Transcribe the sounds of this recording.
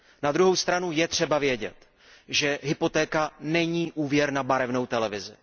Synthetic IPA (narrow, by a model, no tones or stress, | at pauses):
nad̪ɾuɦo̞wst̪ɾanujɛt̪r̝̥ɛbavjɛɟɛ̰t̪ | ʒɛɦɪpo̞t̪ɛːkanɛɲiːʔuːvjɛɾnabaɾɛvnowt̪ɛlɛvɪzɪ̰